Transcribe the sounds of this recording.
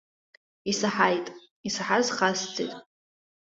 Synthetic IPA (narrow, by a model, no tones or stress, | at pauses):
isaħajtʼ | isaħazχast͡sʰʼḛtʼ